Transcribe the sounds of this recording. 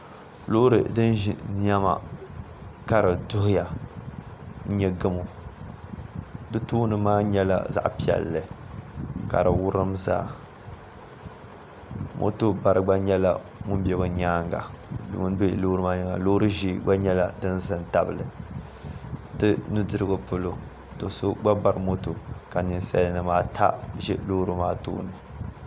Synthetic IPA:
lo˦ɾɨ̰˨dɨ˦n˦ʒḭ˨n˦a˦ma̰˨ | ka˦ɾɨ˨dʊ˦hʊ˦ja˨ | n̩˦ɲɛ˦ɡɨ˦mo˨ | dɨ˦tuː˦nɨ˨maː˦ɲɛ˦la̰˨za̰˦ʔpi˦˨ɛ̰˨lːɨ˨ | ka˨ɾɨ˨wʊ˦ɾɨ˦mza̰ː˦ | mʔo̰˦to˦ba˨ɾɨ˦ɡ͡ba˦ɲɛ˦la̰˦ | mʊ˦m˦bɛ˦ba˨ɲaː˦ŋɡa̰˨dɨ̰˨mu˦n˦be˦˨˦lo˦ɾɨ˦maː˦ɲi˨ŋa˨lo˦ɾɨ˦ʒi˦ɡ͡ba˦ɲɛ˦la˦dɨ˦nzɨ˦nta˦bɨ˨lɨ˨ | tɨ˦nu˦dɨ˦ɾɨ˦ɡɨ˨pʊ˦lo˦ | to˨so˦ɡ͡ba˦ba˦ɾɨ˦mo˦to˨ka˨nɨ˨nsa̰˦jnɨ˨maː˦tʰa̰˦ʒɛ˦lo˦ɾɨ˦maː˦tṵː˦nɨ˨

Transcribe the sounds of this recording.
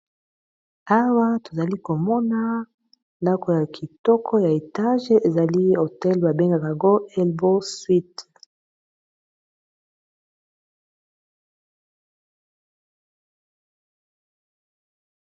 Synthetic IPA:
a˦wa˦to˨za˨li˦ko˨mɔ˦na˦ | nda˦ko˨ja˨kʰi˨tɔ˦kʰɔ˦ja˨e˨ta˦ʒe˦e˨za˨li˦o˨tɛ˦lba˨be˦ŋɡa˨ka˨ŋɡo˦ɛ˦lbo˦swi˦t

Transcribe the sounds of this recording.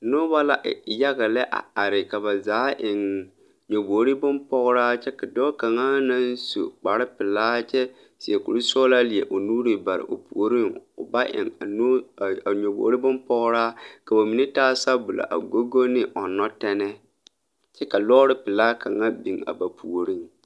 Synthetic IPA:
nʊ˦ba˦la˦ʔja˦ɣa˨lɛ˦ʔa̰˨a˨ɾɪ˨ka˨ba˨zaː˨˦ʔɪ˨ŋ | ɲo˨boː˨˦ɾi˦bʊ˦mpɔ˦ɣʊ˦ɾaː˦t͡ʃɛ˦ka˨dɔː˦ka˨ŋa˦na˦n˦so̰˨k͡pa˨ɾɪ˦pɪ˨laː˦t͡ʃɛ˦ | sɪ˨e˨kṵ˨ɾu˦sɔː˦la˦li˨e˨ʔo˨nuː˦ɾi˨ba˨ɾɪ̰˨ʔo˨pu˨o˨ɾi˦ŋʊ̰˨ba˦ʔɪ̰˨ŋa˨n˦˨ɲo˨bo̰˨ɾi˦bʊ˦mpɔ˦ɣʊ˦ɾaː˦ka˨ba˨mi˨nɪ˦taː˦sa˦bʊ˨la̰˨ʔa̰˨ɡo˦ɡo˦nɪ˦ʔɔ˨nɔ˦tɛ˦nɛ˦ | t͡ʃɛ˦ka˨lɔː˦ɾɪ˦pɪ˨laː˦ka˨ŋa˦bi˨ŋa̰˨ba˨pʰu˨o˨ɾi˦ŋ

